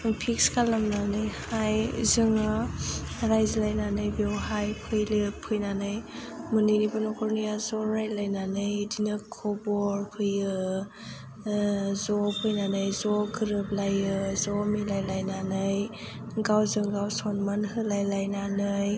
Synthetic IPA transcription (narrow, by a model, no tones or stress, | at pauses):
pʰikskʰalamnanɯjhajzɯŋɯ | ɾajzilajnanɯjbewhajpʰɯjlɯpʰɯjnanɯjmɯninibɯnɔkʰɔɾnijazɔɾajt̚lajnanɯjdinɯkʰːɔbɔɾpʰɯjɯ | zɔpʰɯjnanajzɔɡʰɯɾɯp̚lajɯzɔmilajlajnanɯj | ɡawzɯŋɡawsɔnmanɦɯlajlajnanɯj